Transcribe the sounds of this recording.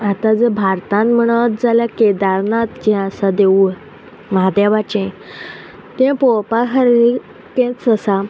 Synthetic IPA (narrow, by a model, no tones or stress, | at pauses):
at̪ãd͡zəbʱaɾt̪ãnm̤əɽ̃ət̪̚d͡zaljaked̪aɾnãt̪d͡ʑɛ̃əsad̪eu | mad̪jabat͡ɕɛ̃ | t̪ẽpopakəɾɾi | kẽt͡səsa